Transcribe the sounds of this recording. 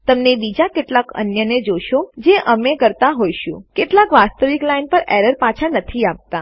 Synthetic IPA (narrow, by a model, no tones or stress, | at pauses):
t̪əmnebid͡ʒakeʈlakə̰njəned͡ʒoʃod͡ʒeʔəmekəɾt̪aɦojʃṵ̃keʈlakʋast̪əʋiklainpəɾeɾəɾpat͡ʃʰanət̪ʰiap̚t̪a